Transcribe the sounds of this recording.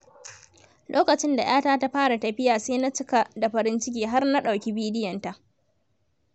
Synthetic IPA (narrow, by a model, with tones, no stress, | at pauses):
lʔoː˦kɐ˨t͡ʃɪ˦nda˨j̰ʔaː˦taː˦ta˦ɸaː˦ɽa˨tɐ˨ɸɪ˦jaː˨seː˦na˦t͡ʃɪ˦ka˨da˨ɸɐ˨ɾɪ˦nt͡ʃɪ˦k̬ʲiː˨ɦa˦rna˦ɗa˨wkʲi˦biː˦dɪ˦jɐ˨nta˨ʔ